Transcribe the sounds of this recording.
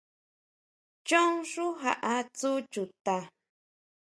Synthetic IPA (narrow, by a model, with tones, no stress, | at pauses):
t͡ʃo˦ŋʂu˦ɦa̰˨ʔa˧t͡su˦t͡ʃu˨t̪a˧